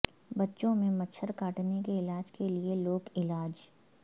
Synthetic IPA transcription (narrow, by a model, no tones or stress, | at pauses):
bɐtːʃõmẽmɐt͡ʃʰəɾkaːʈnekeɪlaːd͡ʒkelieloːkɪlaːd͡ʒ